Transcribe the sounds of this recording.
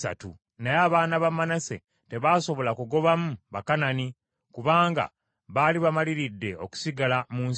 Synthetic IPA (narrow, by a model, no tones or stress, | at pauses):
sa̰tṵ | najaːβaːnaβamːanase̞̰ | te̞βaːso̞βo̞lakuɡo̞βamuβakanani | kuβaːŋɡa̰ | βaliβamaliɾidːe̞oku̥siɡalamuːns